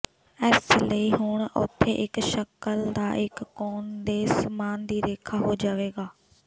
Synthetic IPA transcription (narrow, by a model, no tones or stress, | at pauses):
ɛːsləiːɦʊɳʊ̰t̪ʰːḛːʔɪkʃəkəld̪a̰ːʔɪkːoːnd̪eːsmaːnd̪iːɾeːkʰaːɦoːd͡ʒaːʋeːɡaː